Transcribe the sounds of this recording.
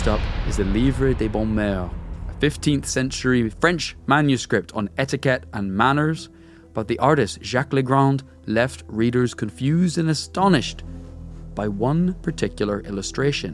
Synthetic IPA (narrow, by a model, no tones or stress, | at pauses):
tʌpɪzɨlivɹɪd̪ebɔ̃mɛəfɪftʰĩnθsɛ̃nt͡ʃə˞ifɹɛ̃nt͡ʃmãnjɨskɹɪp̚tʰn̩ɛɾɨkɛtə̃nmanə˞z̥ | b̥ʌt̪̚ðiʔaɹɾɪsʒ̥aklˠiɡɹãʊ̃nd | lˠɛft̚ɹiɾə˞z̥kʰə̃ɱfjʉzdə̃nəstɔnɪʃt | b̥aɪwʌ̃npʰə˞tʰɪkjl̩ˠə˞ʔɪlˠəstɹ̥eʃə̃n